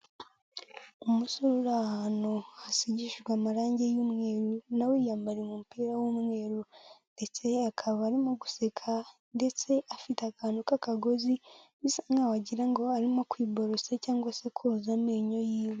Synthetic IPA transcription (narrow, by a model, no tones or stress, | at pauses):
omusuɾuɾahanoasiɟiʃiɾɡwamaɾaːɲɟejuːmŋe̞ɾunawejaːmbaɾemumupiːɾawomŋe̞ːɾunde̞t͡se̞akʰaβaːɾimoɡu̥sekʰa | nde̞t͡se̞afitakanokakaɡoziβisaŋɡawaɟiɾaŋɡoaɾimokwiːboɾosecaːŋɡwase̞kʰoːzameɲo̞jiːwe